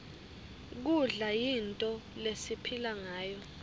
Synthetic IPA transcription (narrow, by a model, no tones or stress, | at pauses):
k̬uɮajintʼɔlesipʰilaŋaːjɔ